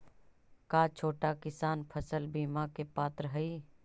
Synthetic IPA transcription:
kaːt͡ʃʰoːʈakɪsaːnpʰəsəlbiːmakepaːt̪ɾəɦɐiː

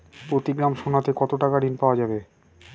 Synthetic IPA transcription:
pɾot̪iɡɾamʃonat̪ekɔt̪oʈakaɖinpaoad͡ʑabe

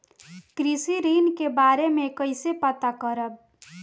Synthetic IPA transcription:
kɾisiɾinkebaɾemekəjsepət̪akʌɾəb̚

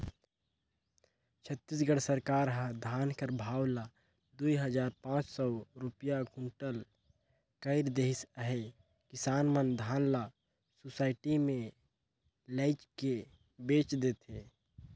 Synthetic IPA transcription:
t͡ʃʰət̪ːis̬ɡəɽsəɾkaːɾɦə̃d̪ʱaːnkəɾbʱaːwla | d̪uiɦəd͡ʒaːɾpãːt͡ʃsɔɾʊpjaɡʱʊ̃ɳʈəl | kəɪɾd̪eːɦɪsəɦe | kɪsaːnmənd̪ʱaːnla | sosaːɪʈimẽ | ləɪt͡ʃke | beːt͡ʃd̪eːt̪ɦeː

